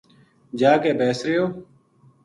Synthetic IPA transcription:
d͡ʒaːkeːbeːsɾɪjoː

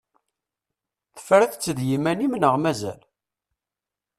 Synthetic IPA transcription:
θə̥fɾæθt͡sːəðjimænimnəʁmæzæ̰l

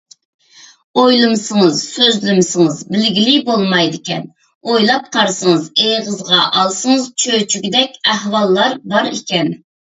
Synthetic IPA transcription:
ojlˠɨmɨsɨŋɨzsøzlɪmɪsɨŋəzbɪlɡʲilibolˠmɑjd̪ɪkʲɛn | ojlˠɑp̚qʰɑɾsəŋɨzejʁəzʁɑʔɑlˠsɨŋəzt͡ʃʰøt͡ʃʰyɡʲid̪ɛkʲæhwɑlˠːɑɾbɑɾikʲɛn

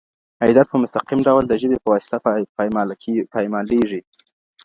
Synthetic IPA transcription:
ajzat̪̚pəmʊst̪aqimɖawld̪əʒəbepəwɑsɪ̥t̪ap | pɑjmɑleʐi

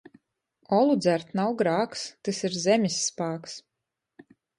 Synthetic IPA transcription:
ɔlˠud̪zæɾt̪nawɡɾaːkst̪ɨsiɾzʲɛmʲisːpaːks

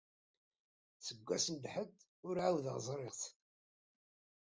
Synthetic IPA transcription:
səɡʷːæ̰sənd̪ħəd̪ | ʊɾʕawðəʁzˤɾˤɪʁθ

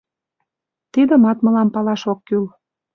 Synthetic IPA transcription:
t̪id̪əmɑt̪mə̆lɑmpɑlɑʃokːyl

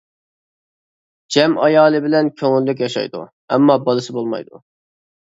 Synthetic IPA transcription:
d͡ʒɛmɑjɑːlˠɨbɪlɛnkʲʰøŋylːyk̬ʲjɑʃɑ̰jd̪ṵ | ɛmːɑbɑlˠɨsɨbolˠmɑ̰jd̪ṵ

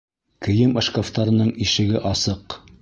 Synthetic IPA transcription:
kɘ̆jɘmɤ̆ʃkoft̪ɑɾɤ̆nɤɴiʃɘ̆ɡɘʔɑsɤq

